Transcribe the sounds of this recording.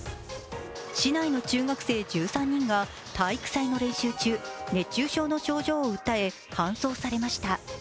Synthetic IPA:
ɕinaino̞t͡ɕɨːɡakɯ̟̥se̞ːd͡ʑɨːsãɲ̟ːĩŋɡa | t̪ʰaikɯ̥saino̞ɾẽ̞ɰ̃ɕɨːt͡ɕɨːne̞t͡ɕːɨːɕo̞ːno̞ɕo̞ːʑo̞ːɯ̟t̪ːae̞ | kãɰ̃so̞ːsaɾe̞maɕi̥t̪a

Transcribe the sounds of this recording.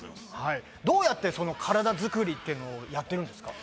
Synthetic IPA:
hai | d̪o̞ːjat̪ːe̞so̞no̞kʰaɾad̪azɨkɯ̟ɾʲit̪ːe̞ɯ̟no̞ːjat̪ːe̞ɾɯ̟̃nd̪e̞sɨ̥ka̰

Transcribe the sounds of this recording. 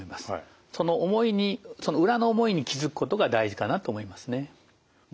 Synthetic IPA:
imasɨ̥ | so̞no̞ʔomo̞iɲ̟iso̞noɯ̟ɾano̞ːmo̞iɲ̟ikʲizɨkɯ̟̥ko̞t̪o̞ɡad̪aiʑikanat̪o̞ːmo̞imasɨne

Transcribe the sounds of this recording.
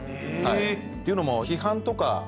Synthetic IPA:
hai | t̪ːeiɯ̟nomoçiɦãnt̪o̞ka̰

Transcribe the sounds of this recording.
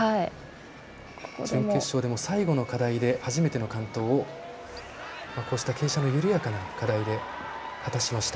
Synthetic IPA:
hai | ksẽŋke̞ɕːo̞ːd̪e̞mo̞saiɡo̞no̞kad̪aid̪e̞haʑime̞t̪e̞no̞kãnt̪o̞ːo | mako̞ːɕi̥t̪ake̞ːɕano̞jɯ̟ɾɯ̟jakanakad̪aid̪e̞ | hat̪aɕimaɕi̥t̪a

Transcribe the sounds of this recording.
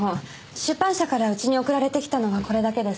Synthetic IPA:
o | ɕɨpːãɰ̃ɕakaɾaɯ̟t͡ɕiɲ̟io̞kɯ̟ɾaɾe̞t̪e̞kʲi̥t̪ano̞βako̞ɾe̞d̪ake̞d̪e̞s

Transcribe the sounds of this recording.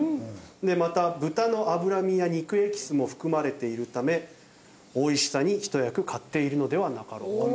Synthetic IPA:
d̪e̞mat̪abɯ̟t̪ano̞ʔabɯ̟ɾamʲijaɲ̟ikɯ̟e̞kʲi̥sɨmo̞ɸɯ̟̥kɯ̟maɾe̞t̪e̞iɾɯ̟t̪ame̞ | o̞iɕi̥saɲ̟içi̥t̪o̞jakɯ̟kʰat̪ːe̞iɾɯ̟no̞d̪e̞βanakaɾo̰

